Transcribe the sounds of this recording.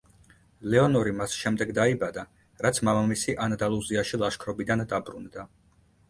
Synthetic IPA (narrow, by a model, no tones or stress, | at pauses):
lɛɔnɔɾimasʃɛmd̪ɛɡd̪aibad̪a | ɾat̪sʰmamamisiʔanad̪alˠuziaʃilˠaʃkʰɾɔbid̪and̪abɾund̪a